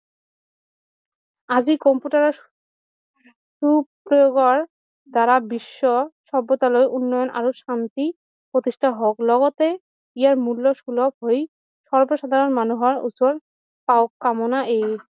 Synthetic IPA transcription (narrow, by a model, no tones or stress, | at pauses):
ad͡ʑikɔmpjuʈaɾɔ | ʃupɾojoɡɔɹ | d̪aɾabiʃːɔʃɔbːɔt̪alɔjʔunːɔjɔnʔa̰ɾoʃant̪i | pɾot̪iʃʈʰaɦɔklɔɡɔt̪e | ijaɹmulːɔʃulɔb̚ɦoj | ʃɔɹboʃad̪ʱaɾɔnmanuɦɔɹṵsɔɾ | paokːamɔnaʔej